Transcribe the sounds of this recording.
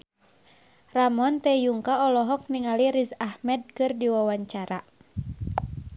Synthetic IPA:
ramɔnt̪ɛjuŋkaɔlɔɦɔk̚niŋaliɾizahmɛd̚kɨrdiwawaɲt͡ʃaɾa

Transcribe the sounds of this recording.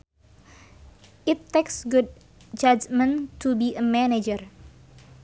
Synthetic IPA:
ʔit̪ːeksɡud̚ | d͡ʒad͡ʒmə̃ntubiəmɛned͡ʒər

